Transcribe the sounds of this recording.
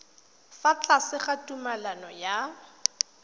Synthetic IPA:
fat͡ɬʼasɪχatʼumalanɔja

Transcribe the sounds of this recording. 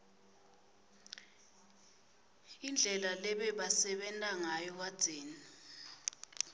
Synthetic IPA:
ind͡ɮʱɛlalɛɓɛɓasɛɓɛntʼaŋajɔk̬ad̥z̥ʱeːni

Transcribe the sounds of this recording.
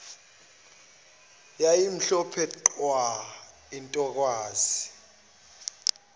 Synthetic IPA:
jajim̩ɬɔpʰɛǃwa | intʼɔk̬waːzi

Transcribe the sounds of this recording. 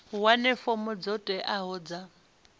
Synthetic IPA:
wanɛfɔmɔd͡zɔtʼwɛʔaɦɔd͡za

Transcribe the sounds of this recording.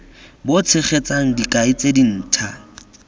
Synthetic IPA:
bot͡sʰɪχet͡saŋ̩dikʼaɪt͡sʼedin̩ːtʰa

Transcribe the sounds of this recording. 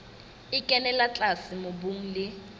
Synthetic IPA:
ɪkʼɛnɛlat͡ɬʼasɪmʊbuŋ̩lɪ

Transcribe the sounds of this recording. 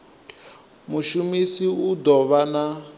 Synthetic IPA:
muʃumisiud̪ɔβana

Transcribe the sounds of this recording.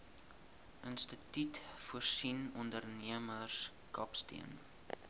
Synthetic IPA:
ʔənstətitfuərsinɔndərniəmərs | kɐpstḭən

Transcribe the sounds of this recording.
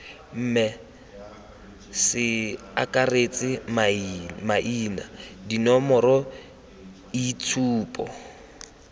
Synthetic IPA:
m̩ːmɛ | sɪ | a̰kʼaret͡sʼɪmmaʔiːna̰dinɔmɔɾɔ | it͡sʰuːpʼɔ̰

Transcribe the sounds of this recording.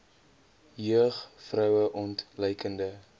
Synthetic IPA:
jøəχfrœwəʔɔntləjkəndə

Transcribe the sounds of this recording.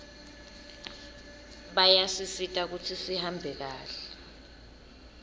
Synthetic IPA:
ɓajasisitʼak̬utʰisihambʱɛk̬aːɬɛ̥

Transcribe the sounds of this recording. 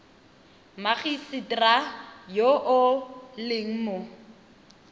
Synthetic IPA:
maχisɪtʼrajoʔʊlɪŋ̩mʊ

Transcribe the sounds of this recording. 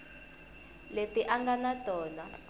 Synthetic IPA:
letiʔaŋɡanatʼɔːna

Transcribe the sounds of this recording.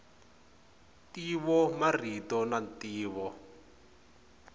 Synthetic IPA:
tiβɔmaritɔnantiːβɔ

